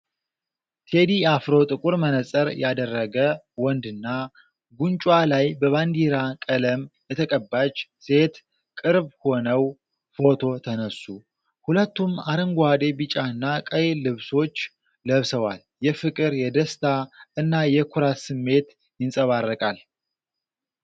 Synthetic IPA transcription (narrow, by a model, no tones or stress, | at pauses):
t̪ʰe̞d̪iafɾo̞t̪ʼɨkʼuɾmənəsʼəɾjad̪ərːəɡə | wɔnd̪ɨnːa | ɡunt͡ʃʼwalajbəβand̪iɾakʼələmbɛt̪ʰəkʼəbːat͡ʃse̞t̪ | kʼɨɾbho̞nəw | fo̞t̪ʰo̞t̪ʰənəsːu | hulət̪ːumaɾəŋɡʷad̪e̞bɨt͡ʃʼaɨnːakʼəjlɨβso̞t͡ʃː | ləβsəwal | jɛfɨkʼɨɾjɛd̪əst̪ʰaɨnːajɛkʰuɾasɨmːe̞t̪ | jɪnsʼəβarːəkʼal